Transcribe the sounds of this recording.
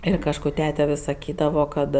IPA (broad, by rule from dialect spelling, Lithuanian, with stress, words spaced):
ˈɪr kɐʃˈkuː ˈtʲæːtʲɛ ʋʲɪs sɐˈkʲiːdɐʋoː ˈkɐt